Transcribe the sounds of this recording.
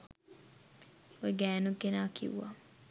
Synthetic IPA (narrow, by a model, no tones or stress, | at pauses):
wɛɡɛnukenakḭwɔ̰